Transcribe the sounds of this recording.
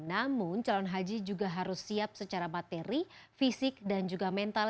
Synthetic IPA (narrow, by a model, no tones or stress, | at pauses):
namʊnt͡ʃalɔnɦad͡ʒid͡ʒuɡaɦaɾʊsːiap̚sət͡ʃaɾamat̪eɾifisɪk̚dand͡ʒuɡamɛnt̪a